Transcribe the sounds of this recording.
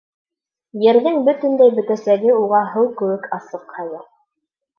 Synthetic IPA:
jɘ̆ɾðɘŋbɵt̪ɵ̆nd̪æjbɵ̆t̪æsæɡɘuʁɑɦɤwkɵ̆wɘkʰɑsɤqhɑlˠɤ

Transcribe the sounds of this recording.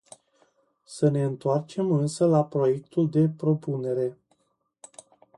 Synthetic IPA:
səne̞ɨnt̪oart͡ʃe̞mɨnsəlapɾo̞je̞k̚t̪uld̪e̞pɾo̞pune̞ɾe̞

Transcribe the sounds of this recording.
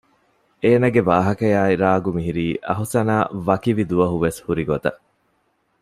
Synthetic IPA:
eːnɐɡeʋaːɦɐkɐjaːiɾaːɡumiɦiɾiːʔɐ̰ɦusɐnaːʋɐkiʋid̪uʋɐɦuʋeshuɾiɡot̪ɐ̰

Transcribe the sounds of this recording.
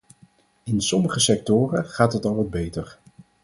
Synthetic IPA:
ɪnsɔməχəsɛk̚tʊːrəχaːtɦətɑlˠʋɑd̚bejtər

